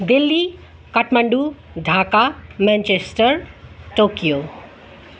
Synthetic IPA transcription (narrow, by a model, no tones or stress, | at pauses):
d̪elːi | kʌʈʰmʌɳɖu | d̪ʱakamɛ̃nt͡ʃesʈʌɾʈokijo